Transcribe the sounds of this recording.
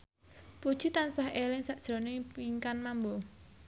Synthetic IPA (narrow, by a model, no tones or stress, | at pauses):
pud̥ʒ̥it̪ansahelɪŋsaʔd̥ʒ̥ɾo̤nepiŋkanmambo